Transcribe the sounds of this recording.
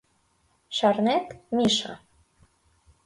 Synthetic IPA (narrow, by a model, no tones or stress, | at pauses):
ʃɑrnet̪miʃɑ̰